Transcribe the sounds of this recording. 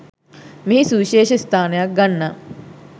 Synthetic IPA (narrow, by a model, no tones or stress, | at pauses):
miɦisuʋiʃeːʃest̪ʰaːnejak̚ɡanːa